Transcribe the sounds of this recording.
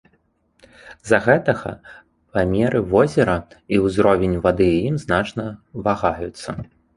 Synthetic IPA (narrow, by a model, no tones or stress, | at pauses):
zɐɣɛt̪ɐɣɐ̰ | pamʲɛɾɨvɔzʲɛɾɐiwzɾɔvʲenʲvad̪ɨjimznat͡ʂnɐvaɣajut̪sːɐ